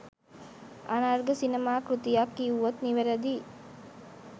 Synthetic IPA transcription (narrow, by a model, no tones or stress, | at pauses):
ʔanaɾɡəsinemaːkɾut̪ijakːiːuʋɐt̪niʋeɾɐd̪iː